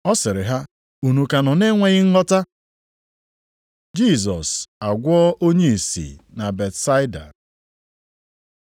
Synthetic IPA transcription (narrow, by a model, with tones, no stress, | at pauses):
ɔ˦sɪ˨ɾɪ˨ɦa˦ | u˨nu˨ka˨nɔ˨ne˦ŋʷe˦ɣɪ˦ŋ̩˦ŋɔ˦ta˦ | d͡ʒi˦˨zɔ˨sa˨ɡʷɔ˦ʔo˦ɲe˦i˨sḭ˨na˨be˨tsa˦ɪ˦da̰˨